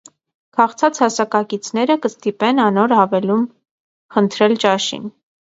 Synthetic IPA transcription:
kʰɑχt͡sʰɑt͡shɑsɑkɑkit͡sʰn̪ɛɾəkəst̪ipɛnɑnɔɾɦɑvɛlum | χənt̪ʰɾɛlt͡ʃɑʃḭn

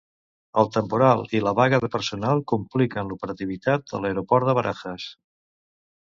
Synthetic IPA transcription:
əlˠt̪əmpuɾalˠiləβaɣəðəpəɾsunalˠkumplikənlupəɾət̪iβ̞it̪at̪ə̰ləeɾopɔɾt̪əβəɾʔa̰xəs

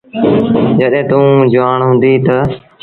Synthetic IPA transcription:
d͡ʒəɗẽːt̪ũːd͡ʒʊaːɳɦʊ̃ːnd̪iːt̪ə

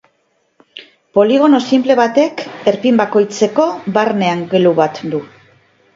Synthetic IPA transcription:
po̞liɣ̞o̞no̞simple̞βat̪e̞ke̞ɾpimbako̞jt͡se̞ko̞βaɾne̞aŋɡeluβat̪d̪u

